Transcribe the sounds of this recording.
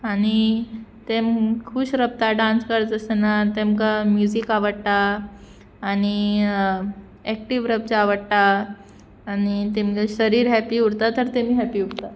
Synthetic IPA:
añi | t̪emkʰuːɕɾəp̚t̪aɖãnskəɾd͡zəsnat̪emkamjud͡ʑikaʋəɽʈ̪aː | ni | ɛkʈiʋɾəp̚t͡saʋəɽʈ̪aː | nit̪emkaɕəɾiːɾɦɛpiuɽt̪at̪əɾt̪emiːɦɛpiuɽt̪a

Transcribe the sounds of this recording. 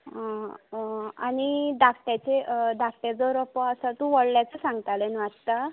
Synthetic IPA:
añid̪akʰʈjat͡ɕed̪akʰʈjad͡zɔɾɔpɔəsat̪ũʋɔɽljat͡səsãŋɡt̪alenʋat̪t̪a

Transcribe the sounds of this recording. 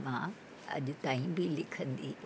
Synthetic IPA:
mã | ɐ̰ʄʊt̪aːĩbɪlɪkʰə̃nd̪iː

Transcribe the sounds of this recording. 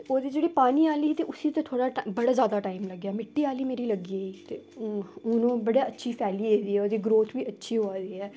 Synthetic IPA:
oːd̪iːd͡ʒeːɽiːpaːniːaːliːt̪eːʔʊsiːt̪ẽt̪ʰoːɽaːbəɽaːzjaːd̪aːʈaːimləɡjaːmɪʈːiːaːliːmeːɾiːləɡiːiːt̪eːʊnõːbəɽaːətːʃʰiːpʰɛːliːeːd̪iːɛːoːd̪iːɡɾoːt̪ʰʋiːətːʃʰiːɦoaːd̪iːɦɛː

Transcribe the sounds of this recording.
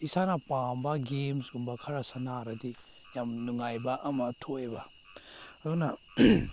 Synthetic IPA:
isanɐpambɐɡemsɡumbɐkʰɐɾasanaɾɐdi | jamnuŋajbɐʔɐmɐtʰojbɐ | dunɐ

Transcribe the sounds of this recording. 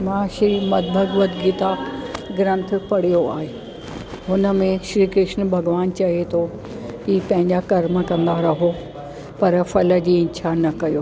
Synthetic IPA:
mãːʃɾiːmɐt̪̚bʱɐɡʋət̪ɡit̪aɡɾə̃nt̪̆ʰpɐɽ̤ijoa̰ːɦeː | ɦʊnə̆mẽʃɾiːkɾɪʃnbʱɐɡʋaːnt͡ɕɐɦet̪ʰo | iːpɐ̃ɦɪ̃ɲd͡ʑakɐɾmə̆kɐ̃nd̪aɾɐɦo | pɐɾfɐlə̆d͡ʑiːɪ̃t͡ɕʰanɐkɐjoː

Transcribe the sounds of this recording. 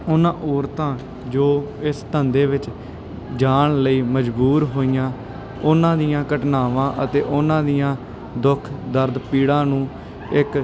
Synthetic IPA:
ʊnãːʔoːɾt̪ãː | d͡ʒoː | ɪst̪ənd̪eːʋɪt͡ʃ | d͡ʒaːɳləiːməd͡ʒbuːɾɦoːijãː | ʊnãːd̪ijãːkəʈnaːʋãːʔət̪eːʔʊnãːd̪ijãː | d̪ʊkʰd̪əɾd̪piːɽãːnũː | ɪk

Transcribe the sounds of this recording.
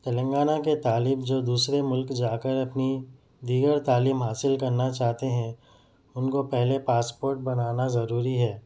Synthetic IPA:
t̪ɐlə̃ŋɡaːnaket̪aːliːbd͡ʒoːd̪uːsɾemʊlkd͡ʒaːkəɾɐpni | d̪iːɡəɾt̪aːliːmɦaːsɪlkɐɾnat͡ʃaːɦt̪eɦɛ̃ | ʊnkopɛɦlepaːspoːɾʈ̚bɐnaːnazɐɾuːɾiɦɛː

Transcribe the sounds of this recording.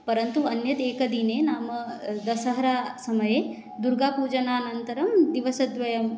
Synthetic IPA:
pɐɾɐnt̪uɐnjɐt̪eːkɐd̪inenaːmɐd̪ɐsɐɦɐɾaːsɐmɐje | d̪uɾɡaːpuːd͡ʒɐnaːnɐnt̪ɐɾɐmd̪iʋɐsɐd̪ʋɐjɐm

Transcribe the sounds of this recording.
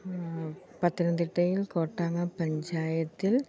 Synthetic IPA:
pɐt̪ːinɐnd̪iʈːɐjilko̞ːʈːaːŋːɐpɐɲd͡ʑaːjɐt̪ːil

